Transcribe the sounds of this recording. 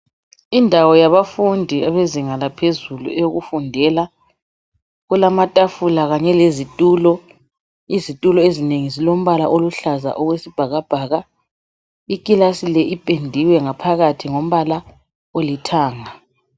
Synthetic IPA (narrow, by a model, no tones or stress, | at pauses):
indʱawɔjaβafundʱiaβeziŋalapʰezulṵɛjoɣufundʱɛla | ɣulamatʼafulaɣaɲɛlezitʼuːlɔ | izitʼulɔezineŋizilom̩βala̰ʔoluɬaza̰ʔɔɣwesib̥ʱaɣab̥ʱaːɣa | ikʼilasilɛʔipʼendʱiwɛŋapʰaɣatʰiŋom̩βala | olitʰaːŋa